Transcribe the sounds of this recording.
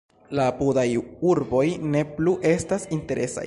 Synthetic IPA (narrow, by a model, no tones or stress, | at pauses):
lapudajuɾbo̞jne̞pluʔe̞stasinte̞ɾʔe̞sa̰j